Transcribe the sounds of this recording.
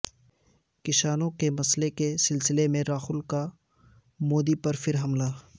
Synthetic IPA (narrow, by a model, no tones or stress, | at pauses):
kɪʃaːnõkemɐslekesɪlsɪlemẽɾaːxʊlka | moːd̪ipɐɾfɪɾɦɐmlaː